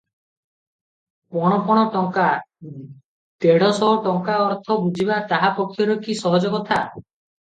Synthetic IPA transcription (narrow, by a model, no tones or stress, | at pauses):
pɔɽ̃ɔpɔɽ̃ɔʈɔŋka | t̪eɽ̤ɔsɔɦɔʈɔŋkaɔɾt̪ʰɔbud͡ʒʱibat̪aɦapɔkʰːjɔɾɔkisɔɦɔd͡ʒɔɡɔt̪ʰa